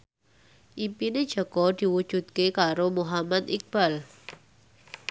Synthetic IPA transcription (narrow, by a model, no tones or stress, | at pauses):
ʔipine̥d͡ʒ̥ɔ̤ɡ̥ɔ̤d̪̥i̤wud̥ʒ̥ṳt̪̚kekaɾomoɦamat̪ik̚b̥al